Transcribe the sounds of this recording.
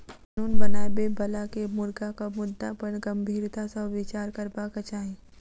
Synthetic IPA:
nuːnbɐnaːbebɐlakemʊɾɡakamʊd̪ːapəɳɡə̃mbʱiːɾt̪asɐʋɪt͡ʃaːɾkəɾbakət͡ʃaːẽ

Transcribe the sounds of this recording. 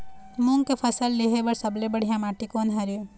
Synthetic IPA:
mũŋɡkepʰɐsəlːeɦeʋɐɾsɐblebɐɽ̤ijãmaːʈikoːnɦɐɾjo

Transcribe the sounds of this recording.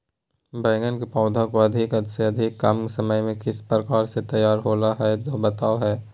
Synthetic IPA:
bɛ̃ːŋɡənkepɔ̃ːd̪ʱakoɐd̪ʱɪkɐd̪seɐd̪ʱɪkːamsɐməjmẽkɪspɾəkaːɾset̪ɐjːaːɾɦoːlaɦɛt̪obɐt̪aːoɦɛː

